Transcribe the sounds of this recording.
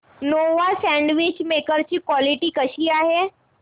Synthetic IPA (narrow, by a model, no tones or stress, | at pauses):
noːʋasɛ̃ːɳɖʋɪt͡ʃmeːkəɾt͡ʃikwɔːlɪʈikəʃiaɦɛː